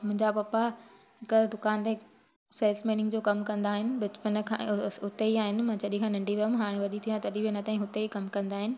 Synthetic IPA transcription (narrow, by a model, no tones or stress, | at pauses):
mʊ̃ɦɪ̃ɲd͡ʑapɐpa | ɦɪkd̪ʊkaːnt̪e | seːlsmiːnɪ̃ŋɡd͡ʑoːkɐmkɐ̃nd̪aːɦɪnɪ̆bɪt͡ɕpən̆kʰã̰ːʊt̪eiaːɦɪnɪ̆mãːt͡ɕɐɗĩkʰãːnɐ̃ɳɖʱiʋɐmɦaːɽ̃ẽʋɐɗit̪ʰijãt̪ɐɗibinɐt̪aːĩɦʊt̪eikɐmkɐ̃nd̪aːɦɪnɪ̆